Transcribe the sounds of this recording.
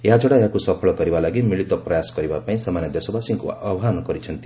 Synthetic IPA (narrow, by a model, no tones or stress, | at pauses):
jad͡ʒɔɽajakusʌpʰɔɭɔɡʌɾibalaɡimiɭit̪ɔprʌjasɡʌɾibapaĩsamanjʌd̪esɔbasiŋkuabɦanɔkʌɾit͡ʃʰʌnt̪i